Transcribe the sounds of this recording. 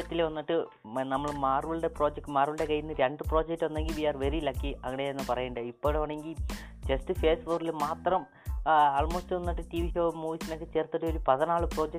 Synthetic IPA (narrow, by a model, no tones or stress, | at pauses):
ɐt̪ːilʋɐnːiʈːɨ | nɐmːɐɭmaːrʋiɭɽe̞pro̞ːd͡ʑek̚ʈɨmaːrʋiɭɽe̞kɐjːunːɨɾeɳɖɨpro̞ːd͡ʑek̚ʈːɨʋɐnːe̞ŋɡilbiaːrʋerilɐkːiɐŋːɐɳeenːɨpɐrɐjuɳɖɨipːo̞ːɽeʋɐːɳeŋɡil | t͡ɕestɨfe̞ːsʋorilmaːt̪rɐm | aːlmo̞ːstɨʋɐnːiʈːɨʈiʋiɕoːɐmːuːʋisinokːɨt͡ɕe̞ːrt̪ːiʈːɨo̞ɾupɐðɐnaːɭɨpro̞ːd͡ʑek̚